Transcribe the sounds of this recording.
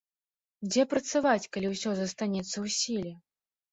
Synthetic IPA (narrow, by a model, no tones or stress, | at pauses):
d͡zʲɛpɾɐt̪savat͡sʲkalʲiwsʲɔzɐst̪anʲɛt̪sːɐwsʲilʲɛ